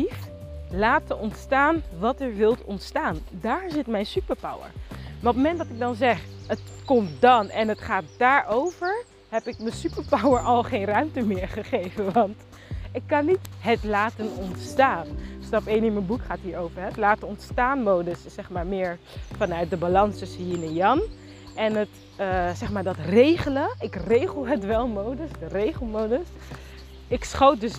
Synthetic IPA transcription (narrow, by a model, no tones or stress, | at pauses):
iflaːtəɔntstaːnʋɑtəɹʋɪlˠtɔ̰ntstaːndaːɹzɪtmɛjnsypəɹpawə̰ɹmaːɹɔpməmɛndɑtɪɡ̚dɑnzɛχətkɔmtdɑnɛnətχaːt̚daːɹʔowvəɹ | ɦɛpɪk̚məsypəɹpawəɹʔɑlˠχejnrœɥmtəmɪɹχəχejvənʋɑnt | ɪkːɑnːitɦətlaːtənɔntstaːnstɑpejnɪnmənbukχaːtɦiːɹowvəɹɦɛtlaːtənɔntstaːnmowdəsːɛχmaːɹmɪːɹ | fɑnœɥt̚dəbalɑnstɵsəjinɛjɑn | ʔɛnɦət | sɛχmaːɹdɑtrejχələɪkrejχəlˠɦətʋɛlˠmowdəsdərejχəl̩ˠmowdəs | ɪksχowt̚dɵs